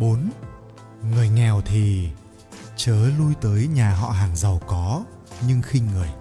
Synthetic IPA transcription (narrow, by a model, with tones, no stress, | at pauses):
ɓo˨˦n | ŋɨ˨˩əjŋɛ˨˩wt̪ʰi˨˩ | t͡ɕəː˨˦lu˧jt̪əː˨˦jɲaː˨˩ɦɔ̰˧˨ɦaː˨˩ŋzə˨˩wkɔ˨˦ | ɲɨ˧ŋxï˧ŋ̟ŋɨ˨˩əj